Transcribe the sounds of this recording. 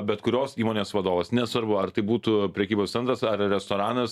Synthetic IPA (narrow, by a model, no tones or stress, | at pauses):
bʲɛt̪kʊɾʲoːsiːmoːnʲeːsʋɐd̪oːʋɐsnʲɛsʋɐɾbʊɐrt̪ɐɪbuːt̪uːpʲɾʲɛkʲiːboːst̪ʲɛnt̪ɾɐsɐrɾʲɛst̪oːɾɑːnɐs